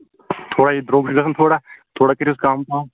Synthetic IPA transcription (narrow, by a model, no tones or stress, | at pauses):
t̪ʰoːɽaid̪ɾoːɡʃɡɐsənt̪ʰoːɽat̪ʰoːɽakɐɾiʊskaːmt̪ː